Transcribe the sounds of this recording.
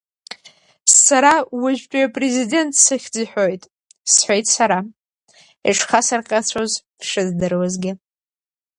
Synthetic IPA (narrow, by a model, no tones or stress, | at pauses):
saɾawɪʒʷᶣt͡ʃʷʼiapʼrezide̞ntʰʼsɨχʲd͡ziħʷᶣojtʼ | sħʷejtʼsaɾa | iʈ͡ʂʰχasarqʲʼat͡sʷʰozpʂɨzdɨrwazɡʲɪ